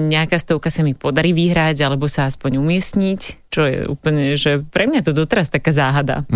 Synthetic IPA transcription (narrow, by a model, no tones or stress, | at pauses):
ɲɛakaːst̪ɔʊkasamipɔd̪aɾiːʋiɦɾaɟalɛbɔsaaspɔɲumɪɛsɲict͡ʃɔjɛ̰ṵːpl̩ɲɛʒɛpɾɛmɲat̪ɔd̪ɔt̪ɛɾast̪akaːzaːɦad̪a̰